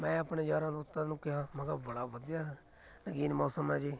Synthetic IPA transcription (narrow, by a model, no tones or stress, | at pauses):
mɛ̃ːəpɳeːd͡ʒaːɾãːd̪ʊt̪ːãːnũːkɪɦãːmə̃ɡaːbəɽaːʋəd̪ijaː | nəɡiːnmɔːsəmɛ̃ːd͡ʒeː